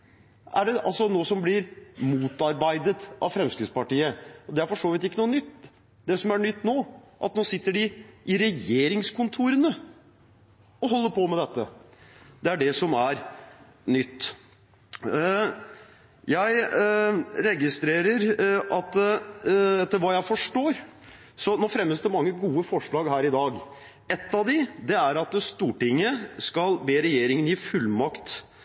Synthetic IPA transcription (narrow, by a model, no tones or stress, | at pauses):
ʔæ̰ɖɛʔɑ̰lsɔnoːsɔmblɪɾmuːt̪ɑɾbæɪd̪ət̪ʔɑ̰ʋfɾɛmskɾɪspɑʈiːəɔd̪ɛæɾfɔʂoːʋɪt̪ɪkːənuːənʏt̪ː | d̪ɛsɔmæɾɳʏt̪ːnoːʔɑt̪noːsɪt̪ːəɖɪʔɪɾɛjeːɾɪŋskʰʊnt̪ʰuːɾənə | ɔɦɔlːəpʰɔmɛd̪ɛt̪ːə̰ | d̪̥ɛæɖɛsɔmæɾ | nʏt̪ː | jæɪ | ɾɛɡɪst̪ɾeːɾəɾʔɑt̪ | ɛt̪ːəɾʋɑːjæɪfɔʂʈoːɾ | sɔnoːfɾɛmːəsd̪ɛmɑŋːəɡuːəfɔʂɭɑːɡɦæːɾɪd̪ɑːɡ | ɛt̪ːɑʋd̪ɪd̪ɛæɾɑt̪st̪uːʈɪŋːəskɑlbeːɾɛjeːɾɪŋənjɪfʉlːmɑkt̪